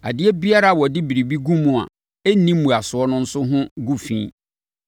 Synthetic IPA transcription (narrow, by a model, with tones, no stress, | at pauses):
a̰˨dɪ˦ɛ˦bi˦a˦ɾa˦˨wɔ˨dɪ˦bi˨ɾi˨bi˦ɡũ˦mʊ̃˦˨a̰˨ | e˦nĩ˦mːũ˨a˨sʊ˨ɔ˦nʊ̃˦n̩˦sʊ˦ɦʊ̃˦ɡu˦fḭ̃ː˦